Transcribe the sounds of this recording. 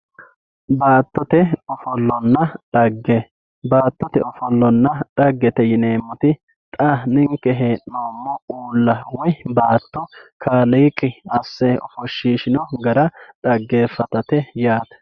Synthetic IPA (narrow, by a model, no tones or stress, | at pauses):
baːt̪ːɔt̪ɛɔfɔlːɔnːɐᶑɐɡːɛ | baːt̪ːɔt̪ɛɔfɔlːɔnːɐᶑ̥ɐɡːɛt̪ɛjɪneːmːɔt̪ɪ | t̪ʼɐnɪŋkːɛɦeːʔnoːmːɔuːlːɐwɔjbaːt̪ːɔkʰaːliːkʼːɪɐsːɛɔ̰fɔʃːiːʃɪnɔɡɐɾɐᶑɐɡːeːfɐt̪ɐt̪ɛjaːt̪